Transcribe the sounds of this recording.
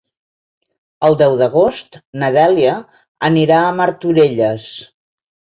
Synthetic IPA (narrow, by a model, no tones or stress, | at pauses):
əlˠd̪ɛwðəɣ̞ost̪nəðɛliə | əniɾaəməɾt̪uɾeʎəs